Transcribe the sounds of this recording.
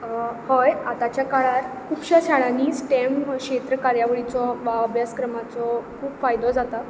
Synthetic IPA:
hojat̪at͡ɕjakaɭaɾ | kʰuːpɕaɕaɭaniːsʈemkɕet̪ɾəkaɾjaʋɭit͡sɔʋaəbʱjaskɾəmat͡sɔkʰuːpfajd̪ɔd͡zat̪a

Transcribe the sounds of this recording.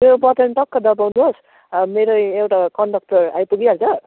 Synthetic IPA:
mebʌt̪ʌnʈʌkːʌd̪ʌpawnuɦos | meɾoewʈakʌɳɖʌk̚ʈʌra̰jpuɡiʌɾt͡sʰʌ

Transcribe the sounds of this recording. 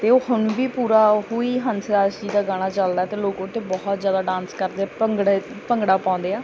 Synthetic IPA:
t̪eːoːhʊnbiːpuːɾaːɦoːiːɦənsɾaːʃiːd̪aːɡaːɽ̃aːt͡ʃəld̪aːt̪eːloːkot̪ːeːbɔɦɔt̪zjaːd̪aːɖãːnskəɾd̪eːaːpəŋɡɽe | pəŋɡɽaːpãːʊ̃nd̪eːaː

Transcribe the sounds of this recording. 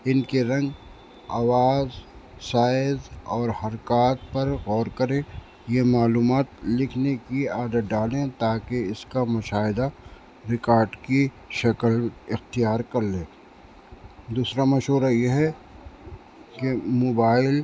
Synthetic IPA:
ɪnkeɾɐ̃ŋɡ | a̰ːʋaːzsaːɪzɔːɾhɐɾkaːt̪̚pɐɾɣɔːɾkɐɾẽ | jemaːluːmaːt̪lɪkʰnekiaːd̪ət̪̚ɖaːlẽt̪aːkeɪskamʊʃaːɦɪd̪a | ɾɪkaːɾɖki | ʃɐkəlɪxt̪ijaːɾkɐɾlẽː | d̪uːsɾamɐʃɦuːɾajeɦɛ | kemoːbaːɪl

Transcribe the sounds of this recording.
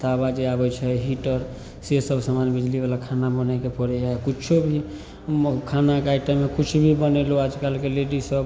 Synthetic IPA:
d̪abad͡ʒeabɛt͡ʃʰɛɦiʈəɾ | sesəbsamanbid͡ʒlibalakʰanabənakepəɾɛd͡ʒaekit͡ʃʰobʱi | kʰanakaiʈamekut͡ʃʰubʱibəneload͡ʒkalkeleɖisəb

